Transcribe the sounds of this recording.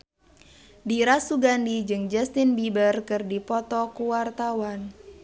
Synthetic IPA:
diɾasuɡandid͡ʒɨŋd͡ʒɛst̪ɪnbibərkɨrdipɔt̪ɔkuwart̪awan

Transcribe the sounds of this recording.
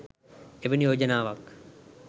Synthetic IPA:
eʋenijoːd͡ʒɐnaːʋɐk

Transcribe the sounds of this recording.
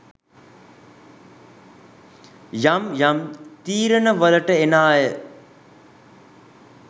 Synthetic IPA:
jamjamt̪iːɾənəʋələʈəenaːjə

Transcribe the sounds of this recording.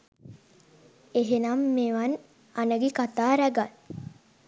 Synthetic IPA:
eɦenamːeʋan | anəɡekat̪aːɾæɡal

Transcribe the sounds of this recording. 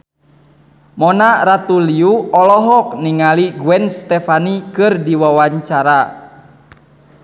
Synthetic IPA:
mɔnaɾat̪uliuɔlɔɦɔk̚niŋaliɡuɛnst̪ɛfanikɨrdiwawaɲt͡ʃaɾa

